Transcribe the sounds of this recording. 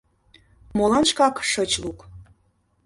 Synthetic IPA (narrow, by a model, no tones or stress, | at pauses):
molˠɑnʃkɑkʃɤt͡ɕluk